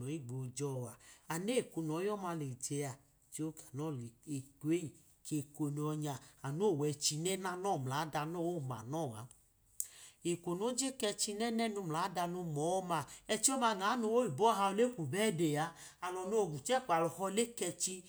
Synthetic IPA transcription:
ɔ˨˦i˦ɡ͡bo˨d͡ʒɔ˦˨wa˨a˨ne˦˨ku˧nɔ˨˦jɔ˦ma˧le˨d͡ʒe˧a˨ | t͡ʃo˦ka˨nɔ˦˨le˨ke˦i˨ | ke˨ko˧n˨ɔ˧ɲa˨a˨no˦˨wɛ˧t͡ʃi˧nɛ˦na˦nɔ˦˨m˨la˨˦da˧nɔ˦wo˦˨ma̰˨nɔ˦˨a̰˨˦ | e˨ko˨no˦d͡ʒe˦kɛ˧t͡ʃi˧nɛ˦nɛ˦nu˧m˨la˨˦da˧no˧mɔ˨˦ma˧˨ɛ˧t͡ʃi˦ɔ˦ma˧˨n˨a˨˦no˧wo˦i˨bɔ˦ɦa˧o˧le˦kʷu˨bɛ˦de˨a˨˦a˨lɔ˨no˦˨ɡu˨t͡ʃɛ˦˨k͡pa˨lɔ˨hɔ˧le˦kɛ˧t͡ʃi˧

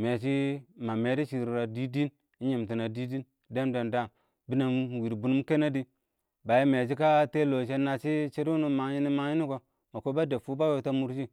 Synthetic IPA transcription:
me˨t͡ʃi˦ma˨me˨di˦ʃi˨ɾɾa˨di˦di˦n | i˦ɲe˨m˨ti˨na˨di˦di˦n | de˦mda˨nda˦˨m | bi˦na˨˦wi˨ɾbu˨n˦m˦ke˦na˦di˦ | ba˨je˦me˨t͡ʃ̬i˦ka˦te˦lo˨t͡ʃ̬e˦na˨t͡ʃi˦t͡ʃe˦du˦nu˦ma˨˦ji˦ni˦ma˦i˦ni˦ko˨ | ma˨ko˦ba˦de˨fu˦ba˦wo˨ta˦mu˦ɾd͡ʒi˦

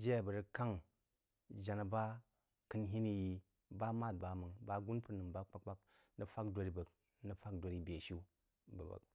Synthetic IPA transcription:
d͡ʒe˦˨bə˨ɾi˨ka˦ŋ | d͡ʒa˨na˨ba˦ | kɨ˦nɦi˦ni˦ji˦ | ba˦ma˦˨d̚ba˨mə˨ŋba˦ɡu˦npə˦nɨ˨mba˦k͡pa˦k͡pa˦k̚ | nə˨fa˦kdʷo˨ɾi˦bə˨k | nə˨˦fa˦kdo˨ɾi˦be˨ʃu˦ | bə˨bə̰˨k

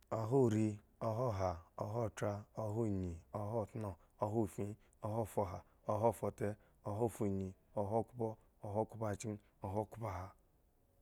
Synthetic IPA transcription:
o˦ɦu˦˨ɾi˦ | o˦ɦo˦˨ɦa˨o˨ɦo˦˨tɾa˦o˦ɦu˦˨ɲi˨o˦ɦo˦˨tno˦ | o˦ɦu˦˨fĩ˦ | o˦ɦo˦˨fo˨ɦa˨ | o˦ɦo˦˨fo˨te˦ | o˨ɦo˦˨fu˨ɲi˨o˨ɦo˦kʷu˦bo˦ | o˨ɦo˦ku˦pa˦˨t͡ʃi˦n˦ | o˨ɦo˦˨ku˦pa˦ɦa˨

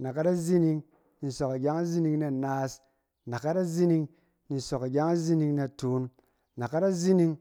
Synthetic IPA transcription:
na˨ka˦da˦zi˦ni˧ŋ | ni˨so˨ka˨ɡʲa˦ŋa˦zi˦ni˧ŋne˦˨naː˦s | na˨ka˦da˦zi˦ni˧ŋ | ni˨so˨ka˨ɡʲa˦ŋa˦zi˦ni˧ŋne˧˨tuː˨˦n | na˨ka˦ɾa˦zi˦ni˧ŋ

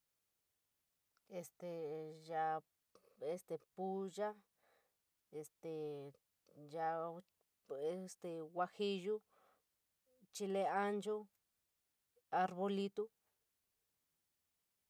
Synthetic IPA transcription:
e˧st̪e˨ja˧ | e˧st̪e˧pu˦ʒa˦ | e˧st̪e˨ | ja˧ | e˦˧st̪e˧wa˧xi˧ʒu˦ | t͡ʃi˧le˧a˦nt͡ʃo˦ | a˧ɾβo˧li˧t̪u˦

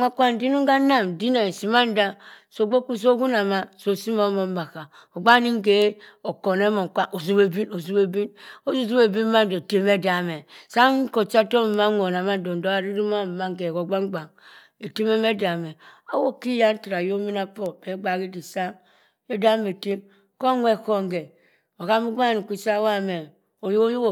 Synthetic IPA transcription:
ŋa˦kʷa˦n˨di˦nu˦ŋ˦ɡa˦na˦˨m˨di˦ne˨si˨ma˦n̩˦da˦so˨ɡ͡bo˦ku˦s̬o˦ɡu˦na˨ma˦so˨si˦mo˦mo˨m˦ma˨ka˨ | o˨ɡ͡ba˦ni˦ŋ˦ɡe˨˦o˨ko˨ne˦mo˨ŋ˨kʷa˦ʔo˨zu˦be˦bi˦no˨zu˦be˦bi˦no˦zu˦˨zu˦be˨bi˦ma˦n˨do˨te˨me˦da˨me˨sa˦ŋ˦ko˨t͡ʃa˦to˦m˨ma˦o˨na˨ma˦n˦do˨n˨do˦a˦ɾi˦ɾi˦ma˦˨ma˦ŋ˦ɡe˨ko˨ɡ͡ba˦ŋ˦ɡ͡ba˨ŋ | e˨ti˦me˦me˦da˨me˨a˦wo˦ki˦ja˦n̩˦ti˨ɾa˨jo˦mi˦na˦po˦e˨˦ɡ͡ba˨ɡi˦di˨sa˦ŋ | e˦da˦me˨te˦m | ko˦ŋʷe˦˨ko˦ŋ˨ɡe˨ | o˨ɣa˦mu˦ɡ͡ba˦˨ni˨kʷi˦sa˦wa˦me˨ | o˨jjo˦wo˨

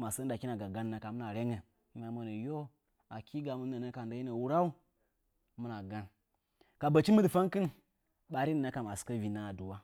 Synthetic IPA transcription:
ma˨sə˦a˨ki˦na˨ɡa˨ɡa˦n˦na˨ka˨mu˦na˨ɾe˦ŋe˨˦ | na˨mo˦nə˨jo˦ | a˨ki˦ɡa˨mu˦n˦a˨nə˦ka˨n˨da˦ji˦ne˨wu˦ɾa˦u˦ | mu˦na˨ɡa˦n | ka˨bə˨t͡ʃi˦mu˦dɨ˨fa˦ŋkɨ˦n | ɓa˨ɾi˦nə˨na˦ka˨ma˨skə˦vi˨na˦a˨du˨wa˦

